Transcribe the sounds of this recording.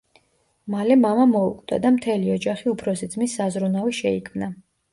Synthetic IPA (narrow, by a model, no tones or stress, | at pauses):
malɛmamamɔukʼt̪ʼa̰d̪amt̪ʰɛliɔd͡ʒaχiupʰɾɔsid̪zmisːazɾunaviʃɛikʰmna